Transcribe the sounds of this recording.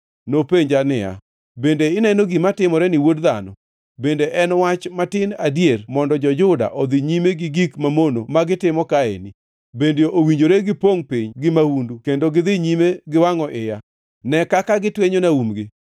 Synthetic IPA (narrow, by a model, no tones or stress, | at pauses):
nopeɲd͡ʒanɪja̰ | bendeɪnɛnoɡimatɪmɔɾɛnɪwodðanɔ | bendeʔɛnwat͡ʃmatɪnadjermɔndɔd͡ʒɔd͡ʒʊda̰ʔod̪ɪɲimeɡɪɡikmamonomaɡɪtɪmɔkaḛni | bendjoʔowiɲd͡ʒoɾeɡɪpoŋpiɲɡɪmahundukendoɡɪðɪɲimeɡɪwaŋɔʔɪja | nɛkakaɡɪtweɲonaumɡɪ